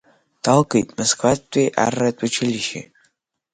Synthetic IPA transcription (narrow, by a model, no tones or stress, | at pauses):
d̥alɡʼejtʼmoskʰʼvatʷʼijʔa̰rːatʷʼʊt͡ʃʰɪlʲiʃḭ